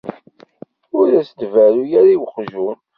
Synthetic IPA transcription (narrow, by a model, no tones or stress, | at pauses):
ʊɾæsd̪væɾujæɾiwəχʒu